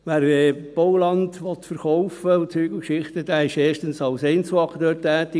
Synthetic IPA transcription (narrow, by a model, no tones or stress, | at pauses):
ʋæːɾɛːb̥ɔwlɑndʋɔt̪fəɾχɔʊfəʊt͡syːɡ̥əkʃɪχt̪əd̥̪æːɪʃeːʃtənsɑʊseɪnt͡suɑkdøːtɛːt̪ɪ